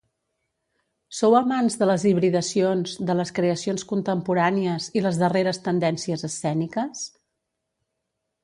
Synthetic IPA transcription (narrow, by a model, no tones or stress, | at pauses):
sowəmanzðələziβɾiðəsionzd̪ələskɾeəsionskunt̪əmpuɾaniəziləzðəreɾəst̪ənd̪ɛnsiəzəsːɛnikəs